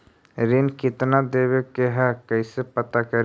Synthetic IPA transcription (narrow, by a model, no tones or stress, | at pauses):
ɾɪnkɪt̪nad̪eːwekeɦɛkɐisepɐt̪akɐɾ